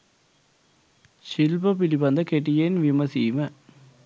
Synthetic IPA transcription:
sɪlbɐpɪlipɐnd̪ɐkeʈ̬ːijenʋɪmɐsiːmɐ

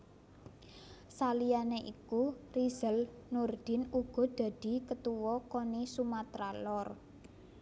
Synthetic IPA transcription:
salijaneʔikuriz̥əlnurd̪̥ɪ̤nuɡ̥ɔ̤d̪̥a̤d̪̥i̤kət̪uwɔkonisumat̪ɾalɔr

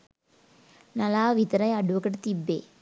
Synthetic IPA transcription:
nɐlaːʋit̪ɐɾɐjɐɖuʋɐkɐʈt̪ibːeː

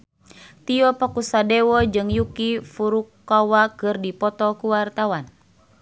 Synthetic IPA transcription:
t̪iɔpɔkusadɛwɔd͡ʒɨŋjukifuɾukːawakɨrdipɔt̪ɔkuwart̪awan

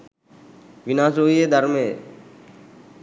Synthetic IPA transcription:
ʋɪnaːsoːieːd̪ʱəɾmeː

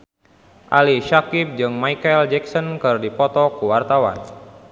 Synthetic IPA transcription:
ʔaliʃakip̚d͡ʒɨŋmajkaɛld͡ʒɛksɔnkɨrdipɔt̪ɔkuwart̪awa̰n

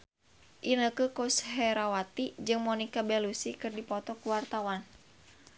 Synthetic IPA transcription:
ʔinəkəkoshɛɾawat̪id͡ʒɨŋmɔnikabɛlusikɨrdipɔt̪ɔkuwart̪awan

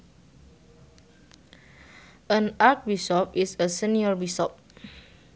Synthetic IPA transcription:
ʔə̃nat̚bisɔp̚isəsiniɔɹbisɔp̚

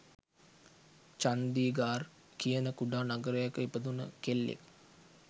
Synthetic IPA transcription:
t͡ʃand̪iːɡaːr | kijənəkuɖaːnaɡəɾəjakəipəd̪unə̰kelːḛk

